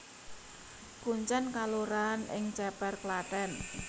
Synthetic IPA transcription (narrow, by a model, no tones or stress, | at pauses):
kuɲt͡ʃɛnkaloɾanɪ̰ŋt͡ʃɛpɛrklat̪ɛn